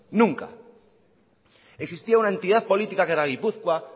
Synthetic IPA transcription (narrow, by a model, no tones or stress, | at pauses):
nũŋka̰ | eksist̪iaunaent̪iðaðpo̞lit̪ikakeɾaɣ̞ipuθkwa